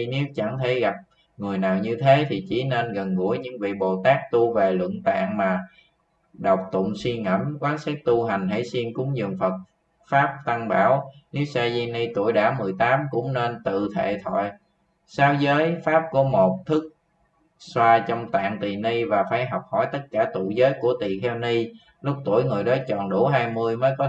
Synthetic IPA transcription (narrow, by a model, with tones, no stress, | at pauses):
ne˨˦wt͡ɕa˧˩ŋt̪ʰe˧˩ɣa˨˩p̚ | ŋɨ˨˩əjnaː˨˩wɲɨ˧t̪ʰe˨˦t̪ʰi˨˩t͡ɕḭ˧˩˦ne˧nɣə˨˩nɣṵ˧˥əjɲɨ̰˧˥ŋvḭ˧˨ɓo˨˩t̪aː˦˥k̚t̪u˧ve˨˩lwə̰˧˨əŋt̪a̰ː˧˨ŋmaː˨˩ | ɗə˨˩wk͡p̚t̪ʊ̰˧˨ŋ͡mswi˧ŋə̰˧˩mkwaː˨˦nsaː˦˥k̚t̪u˧ɦa˨˩jŋ̟ɦə̰˧˥jsi˧nkʊ˨˦ŋ͡mzɨ̰˧˨ŋfə˨˩t̚ | faː˦˥p̚t̪a˧ŋɓaː˧˩wni˨˦wsaː˧zi˧ni˧t̪ṵ˧˩əjɗaː˧˩mɨ˨˩əjt̪aː˨˦mkʊ̰˧˥ŋ͡mne˧nt̪ɨ̰˧˨t̪ʰḛ˧˨t̪ʰɔ̰˧˨j | saː˨˦wzəː˨˦jfaː˦˥p̚ku˧˩əmo˨˩t̚t̪ʰɨ˦˥k̚ | swaː˧t͡ɕɔ˧wŋ͡mt̪a̰ː˧˨ŋt̪i˨˩ni˧vaː˨˩faː˧˩jɦɔ˨˩wk͡p̚hɔ˧˩jt̪ə˦˥t̚kaː˧˩t̪ṵ˧˨jzəː˨˦jku˧˩ət̪i˨˩xʰɛ˧wni˧ | lʊ˦˥k͡p̚t̪ṵ˧˩əjŋɨ˨˩əjɗɔ˨˦t͡ɕɔ˨˩nɗu˧˩ɦaː˧jmɨ˧əjməː˨˦jkɔ˨˦